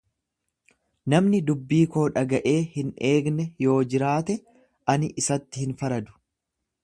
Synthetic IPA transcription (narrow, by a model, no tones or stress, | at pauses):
nɐmnɪd̪ʊbːiːko̞ːᶑɐɡɐʔe̞ːhɪnʔe̞ːɡnɛjo̞ːd͡ʒɪɾaːt̪ɛ | ʔɐnɪʔɪsɐt̪ːɪhɪnfɐɾɐd̪ʊ̥